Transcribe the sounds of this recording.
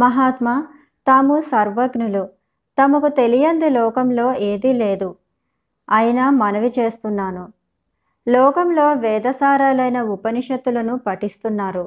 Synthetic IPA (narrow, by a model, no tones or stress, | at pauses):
mɐɦaːt̪mɐ | t̪aːmusɐɾʋɐɡnulu | t̪ɐmɐkut̪e̞lijɐnd̪ilɔːkɐmlo̞ːʔe̞ːd̪ileːd̪u | ɐjɐnɐmɐnɐʋit͡ʃe̞ːst̪unːaːnu | lɔːkɐmlo̞ːʋɛːd̪ɐsaːɾaːlɐjnɐupɐniʂɐd̪ːulɐnupɐʈist̪unːaːɾu